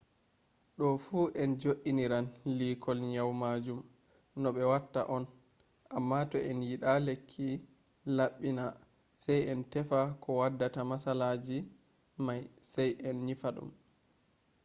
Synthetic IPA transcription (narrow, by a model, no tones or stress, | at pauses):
ɗɔfuːʔɛnd͡ʒoʔːiniɾanlikʰɔlɲawmaːd͡ʒum | nɔɓɛwatːa̰ʔɔn | ʔamːatɔʔɛnjiɗalekʰːi | laɓːina | sajɛntɛfakʰɔwadːatamasalaːd͡ʒi | majsajʔɛnɲifaɗṵm